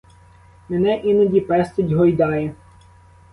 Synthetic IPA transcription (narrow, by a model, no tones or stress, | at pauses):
menɛʔinɐdʲipɛst̪ɪdʲɦɔjd̪ɑjɛ